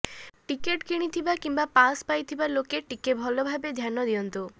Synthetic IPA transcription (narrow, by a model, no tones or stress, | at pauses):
ʈikeʈkiɽ̃it̪ʰibakimbapaspajt̪ʰibaɾlokeʈikebʱɔlobʱabed̪ʱjanɔd̪iɔnt̪u